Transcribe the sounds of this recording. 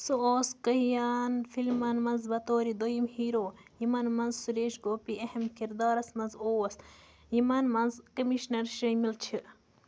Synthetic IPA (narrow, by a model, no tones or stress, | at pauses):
suoːskɐhijanfilmɐnmɐnzbɐt̪oːɾid̪ojimhiːɾoːjimɐnmɐnzsuɾeːʃɡoːpiɐhɐmkiɾd̪ɑːɾɐsmɐnzoːwɐst̪ | imɐnmɐnzkɐmiʃnɐɾʃɐjmilt͡ʃʰɨ